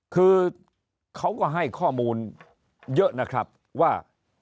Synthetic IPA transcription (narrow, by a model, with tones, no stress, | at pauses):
kʰɯː˧ | kʰa˦˥wkɔː˥˩ɦa˥˩jkʰɔː˥˩muː˧n | jɤ˦˥ʔna˦˥kʰɾa˦˥p̚ | waː˥˩